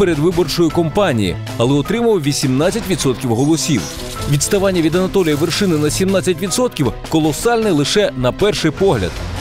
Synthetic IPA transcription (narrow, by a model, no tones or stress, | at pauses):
peɾed̪ʋɪbɔrt͡ʃɔjʊkɔmpɑnʲḭjḭ | ɐlˠɛɔt̪ɾɪmɐwʋʲisʲimnat͡sʲːɐtʲʋʲid̪sɔt̪̚kʲiwɦɔlˠɔsʲiw | ʋʲid̪st̪ɐʋɑnʲːɐʋʲid̪ɐnɐt̪ɔlʲijɐʋerʃɪnɪnɐsʲimnat͡sʲːɐtʲʋʲid̪sɔt̪̚kʲiwkɔlˠɔsɑlʲnɛlˠɪʃɛnɐpɛrʃɪjpɔɦlʲɐ̰d̪̥